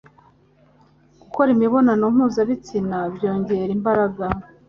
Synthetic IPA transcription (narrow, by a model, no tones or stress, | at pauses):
ɡuko̞ɾimiβo̞nanomuːzaβit͡sinabjo̞ːɲɟe̞ɾimbaɾaɡa